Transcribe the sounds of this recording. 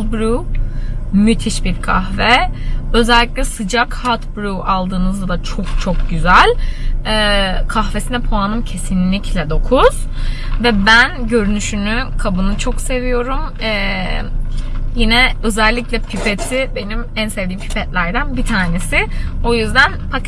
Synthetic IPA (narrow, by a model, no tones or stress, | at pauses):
bɾu | myt̪ʰiʃbiɾkʰaxvɛø̞zɛlʲːiclʲɛsɯd͡ʒakhat̪bɾuʔalˠd̪ɯːnɯzd̪ˠat͡ʃʰo̞kt͡ʃʰok̚ɟyzælʲɛːkʰaxve̞sinɛpʰoanɯmcʰe̞sinlʲiclʲɛd̪o̞kʰuz̥ | vɛbænɟø̞ɾynyʃynykʰabɯnɯt͡ʃʰokse̞vijo̞ɾum | ɛ | jinɛø̞zɛlʲːiclʲɛpʰypet̪ʰibe̞nimænse̞vd̪iːmpʰy̥pʰɛt̪lʲæɾd̪ænbit̪ʰaːne̞sɪo̞jyzd̪ænpak